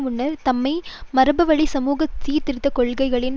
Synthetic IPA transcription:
mʊɳːɐɾt̪ɐmːɐɪmɐɾɐbɐʋɐɭisɐmuːɣɐt̪ːiːɾt̪ɪɾɯt̪ːɐkɔɭɣɐɪɣɐɭɪn

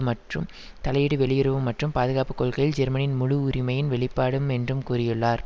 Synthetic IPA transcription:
mɐʈrɯm | t̪ɐlɐjɪɽɯʋɛɭɪjɪɾɯʋɯmːɐʈrɯmpaːðɯɣaːpɯkːɔːɭɣɐjɪld͡ʒɛɾmɐnɪnmʊɻʊʊɾɪmɐjɪnʋɛɭɪpːaːɽɯmɛndrɯmkuːrɪjɯɭːaːɾ

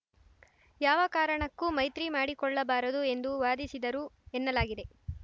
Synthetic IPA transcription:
jaːʋɐkaːɾɐɳɐkːumɐjt̪ɾimaːɽikɔɭːɐbaːɾɐd̪ue̞nd̪uʋaːd̪isid̪ɐɾuenːɐlaːɡid̪e̞

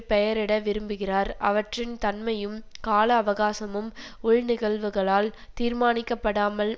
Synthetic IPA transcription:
pɛjɐɾɪɽɐʋɪɾɯmbɯɣɪraːɾʔɐ̰ʋɐʈrɪnt̪ɐnmɐjɯmkaːlɐːʋɐɣaːsɐmɯmʊɭnɪɣɐɭʋɯɣɐɭaːl | t̪iːɾmaːnɪkːɐpːɐɽaːmɐl

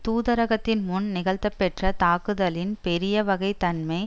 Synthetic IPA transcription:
t̪uːðɐɾɐɣɐt̪ːɪnmʊnnɪɣɐɭt̪ːɐpːɛʈrɐt̪aːkɯðɐlɪnpɛɾɪjɐʋɐɣɐɪt̪ɐnmɐɪ

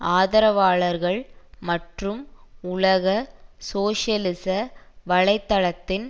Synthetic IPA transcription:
aːðɐɾɐʋaːɭɐɾɣɐɭmɐʈrɯmʊɭɐɣɐsoːʂjɐlɪsɐʋɐɭɐɪt̪ːɐɭɐt̪ːɪn

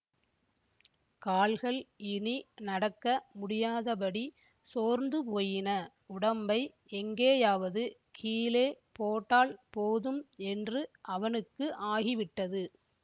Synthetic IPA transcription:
kaːlɣɐɭɪninɐɽɐkːɐmʊɽɪjaːðɐp̬ɐɽi | soːɾnd̪ɯpoːjɪnɐ | ʊɽɐmbɐɪ | ɛŋɡeːjaːʋɐðɯ | kʰiːleːpoːʈːaːɭpoːðɯmɛndrɯʔɐʋɐnɯkːɯʔaːɣiʋɪʈːɐðɯ

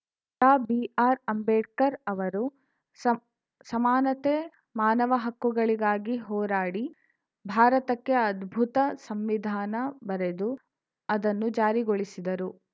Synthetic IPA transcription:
t̪aːbiaːɾɐmbeːɖkɐɾɐʋɐɾu | sɐmaːnɐt̪eː | maːnɐʋɐɦɐkːuɡɐɭiɡaːɡiɦɔːɾaːɽi | bʱaːɾɐt̪ɐkːeɐd̪bʱut̪ɐsɐmʋid̪ʱaːnɐbɐɾed̪u | ɐd̪ɐnːud͡ʒaːɾiɡoɭisid̪ɐɾu

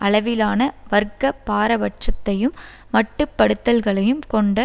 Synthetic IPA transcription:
ʔɐɭɐʋɪlaːnɐʋɐɾkːɐpːaːɾɐʋɐʈ̚t͡ʃɐt̪ːɐjɯmː | ɐʈːɯpːɐɽɯt̪ːɐlɣɐɭɐjɯmkɔɳɖɐ

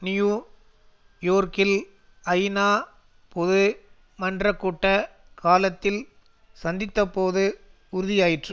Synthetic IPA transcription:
nɪjuː | joːɾkɪl | ɐjnaː | pɔðɯ | mɐndrɐkːuːʈːɐ | kʰaːlɐt̪ːɪl | sɐnd̪ɪt̪ːɐpːoːðɯ | ʊɾʊðɪjaːjɪʈrɯ

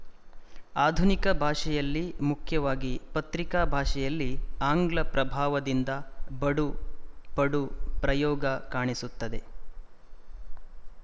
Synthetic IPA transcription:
aːd̪ʱunikɐbʱaːʂɛjɐlːimukʰjɐʋaːɡipɐt̪ɾikaːbʱaːʂɛjɐlːiaːŋɡlɐpɾɐbʱaːʋɐd̪ind̪ɐbɐɽupɐɽupɾɐjɔːɡɐkaːɳisut̪ːɐd̪e̞

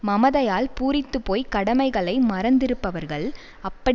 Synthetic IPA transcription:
mɐmɐðɐjaːlpuːɾɪt̪ːɯpːoːjkɐɽɐmɐɪɣɐɭɐɪmɐɾɐnd̪ɪɾɯpːɐʋɐɾɣɐɭ | ɐpːɐɽ

